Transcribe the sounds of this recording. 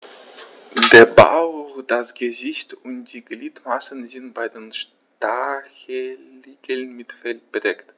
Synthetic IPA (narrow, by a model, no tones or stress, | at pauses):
deːɐba̰ʊd̥asɡ̥əzɪçtʊnt̚d̥iːɡliːtmasənzɪntb̥aɪdeːnʃ | taɐçəliːɡl̩nmɪtfɛlt̚b̥ədɛkt